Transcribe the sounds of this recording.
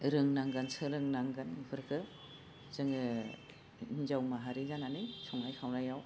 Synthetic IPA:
ɾɯŋnaŋɡansɯɾɯŋnaŋɡanɯpʰɯɾkʰɯ | z̥ɯŋɯ | inzawmaɦaɾizananɯjsʰɔŋajkʰawnajaw

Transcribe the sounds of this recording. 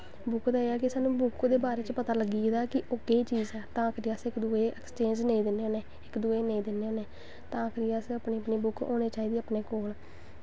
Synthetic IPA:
bʊkd̪aːeːɛːkɪsaːnũːbʊkd̪eːbaːɾeːt͡ʃpət̪aːləɡiːeːd̪aːkɪʔoɡeːt͡ʃiːzɛːt̪ãːkʰɾiːasɪkd̪uːeːɛkst͡ʃẽːd͡ʒneĩːd̪ɪnːeːoːneː | ɪkd̪uːeːneĩːd̪ɪnːeːoːneː | t̪ãːkʰɾiːasəpniːəpniːbʊko̰ːneːt͡ʃaːiːd̪iːaːpneːkoːl

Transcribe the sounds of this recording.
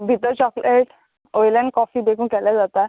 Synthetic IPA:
bʱit̪əɾt͡ɕɔkleʈ | ojlɛ̃ɳɖkɔfiːd̪ekʰũːkɛlad͡zat̪a

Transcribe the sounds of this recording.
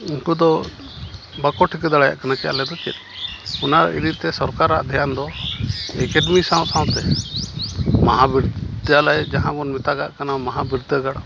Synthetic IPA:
iŋkud̪ɔ | bakɔʈʰikd̪aaja̰ʔkanakɛja̰lɛd̪ɔt͡ʃɛ̰t̪̚unaɾ̰ḭɾit̪ɛsɔɾkaɾa̰ʔd̪ʱɛjand̪ɔ | ɛkɛɖmisaw̃t̪ʰãw̃t̪ɛ | maɦabiɾd̪d̪jalajd͡ʒaɦãɡɔnmit̪aɡa̰ʔkanamaɦabiɾd̪əɡaɽa

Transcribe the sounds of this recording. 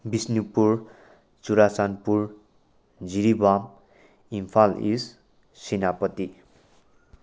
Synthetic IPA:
bisnipur | t͡suɾasanpur | d͡ziɾibam | impʰalḭs | sinapʌt̪i

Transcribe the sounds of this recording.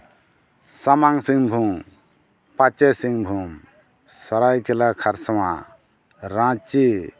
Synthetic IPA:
samaŋsiŋbʱuŋ | pat͡ʃesiŋbʱuŋ | saɾajkʰɛlakʰaɾsama | ɾãt͡ʃi

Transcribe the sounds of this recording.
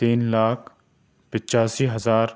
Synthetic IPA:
t̪iːnlaːkʰ | pɪt͡ʃaːsiɦɐzaːɾ

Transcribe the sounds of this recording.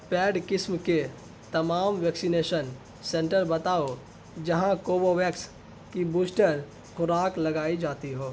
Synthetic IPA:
pɛːɖkɪsmke | t̪ɐmaːmʋɛːksineːʃən | sẽːɳʈəɾbɐt̪aːo | d͡ʒɐɦãkoːboʋɛːks | kibuːsʈəɾ | xʊɾaːklɐɡaːid͡ʒaːt̪iɦoː

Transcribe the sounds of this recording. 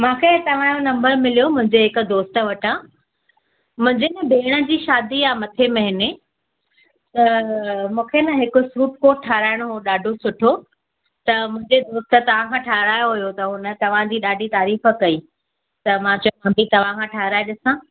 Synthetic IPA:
mãːkʰet̪ɐʋ̤ãːjõnɐ̃mbəɾmɪlijomʊ̃ɦɪ̃ɲd͡ʑeɦɪkʊ̆d̪oːst̪əʋɐʈã | mʊ̃ɦɪ̃ɲd͡ʑenɐbʱeːɽ̃ə̆d͡ʑiːʃaːd̪ijaːmɐt̪ʰemɐɦɪne | t̪ɐmũːkʰenɐɦɪkʊsuːʈ̚koːʈ̚ʈʰːaːɾaːɪɽ̃oɦoɗaːɖʱosʊʈʰo | t̪ɐmʊ̃ɦɪ̃ɲd͡ʑed̪oːst̪ə̆t̪ɐʋ̤ãkʰãːʈʰaːɦɾaːjoɦʊjot̪ɐɦʊnə̆t̪ɐʋ̤ãd͡ʑiːɗaːɖʱit̪aːɾiːfə̆kɐiː | t̪ɐmãːt͡ɕkɐ̃mbʱit̪ɐʋ̤ãkʰãʈʰaːɦɪɾaːeɗɪsã

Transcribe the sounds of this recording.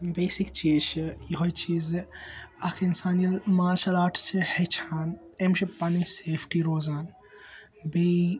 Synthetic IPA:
beːsikt͡ʃiːt͡ʃijɦoit͡ʃiːz | ɐkʰeɪnsaːnijɐlmaːʃɐlaːʈʰsehet͡ʃʰaːn | emʃipɐniseːpʰʈiɾoːzaːn | be

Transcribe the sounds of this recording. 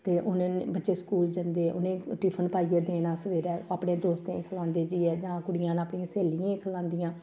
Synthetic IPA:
t̪eːʔʊnn̰ːbətːʃeːskuːld͡ʒənd̪eːʔʊnẽːʈɾiːpʰənpaːiəːd̪eːnãːsəʋeːɾɛːaːpɽẽːd̪oːst̪ḛ̃ːkʰəlãːnd̪eːd͡ʒiːɛːd͡ʒãːkʊɽɪjãːnaːpɳĩãːseːlijãːkʰəlãːnd̪iːjãː

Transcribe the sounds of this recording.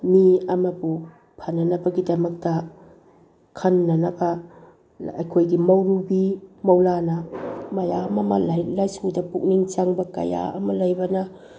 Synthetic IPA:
miɐmɐpu | pʰanɐnɐbɐɡidɐmɐk̚tɐ | kʰɐnːɐnɐbɐ | ɐ̰jkʰojɡimɐwɾubimɐwlanɐmɐjamɐma̰llajsudɐpuk̚niŋt͡ʃaŋbɐkɐ̰ja̰ɐ̰mɐlɐjbɐnɐ

